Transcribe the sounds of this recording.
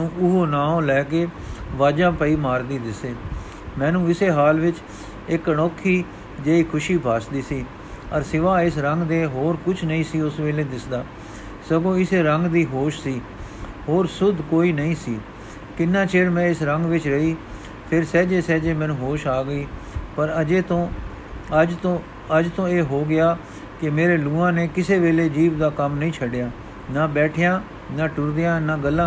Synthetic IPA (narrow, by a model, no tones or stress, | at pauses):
ũːʔʊɦoːnaːõːlɛːkeː | ʋaːd͡ʒãːpəiːmaːɾd̪iːd̪ɪseː | mɛ̃ːnũːɪseːɦaːlʋɪt͡ʃ | ɪkəɳɔːkʰːiː | d͡ʒeːiːkʰʊʃiːbʱaːsd̪iːsiː | əɾsɪʋaːɪsɾəŋɡd̪eːɦoːɾkʊt͡ʃʰnəĩːsiːʊsʋeːleːd̪ɪsd̪aː | səɡõːɪseːɾəŋɡd̪iːɦoːʃsiː | ɦoːɾsʊd̪ʱkoːiːnəĩːsiː | kɪnːãːt͡ʃeːɾmɛ̃ːɪsɾəŋɡʋɪt͡ʃɾəiː | pʰɪɾsɛːd͡ʒeːsɛːd͡ʒeːmɛ̃ːnũːɦoːʃaːɡəiː | pəɾeːt̪õː | ət̪õː | əd͡ʒt̪õːeːɦoːɡɪaː | kɪmeːɾeːluːãːneːkɪseːʋeːleːd͡ʒiːʋd̪aːkəmnəĩːt͡ʃʰəɖɪjaː | naːbɛːʈʰɪjãː | naːʈʊɾd̪ɪjãːnaːɡəlːãː